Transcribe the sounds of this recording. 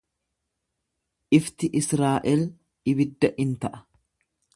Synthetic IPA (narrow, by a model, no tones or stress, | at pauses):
ʔɪft̪ɪʔɪsɾaːʔɛl | ɪbɪd̪ːɐʔɪnt̪ɐʔɐ̥